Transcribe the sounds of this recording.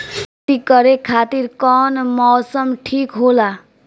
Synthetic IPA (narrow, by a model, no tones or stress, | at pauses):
t̪ikʌɾekʰaːt̪iɾkɔnmɔːsəmʈʰiːkɦola